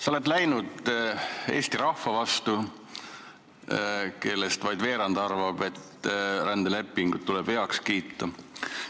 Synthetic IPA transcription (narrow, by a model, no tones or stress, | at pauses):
sɑole̞t̪læjnud̪̥ | e̞ːst̪iɾɑhːɑvɑst̪u | ke̞lːe̞st̪vɑjd̪ve̞ːɾɑnd̪̥ɑrvɑb̥e̞t̪ːɾænd̪ele̞pːˑiŋɡ̥ut̪tːulɛb̥he̞ɑkskiːt̪ːɑ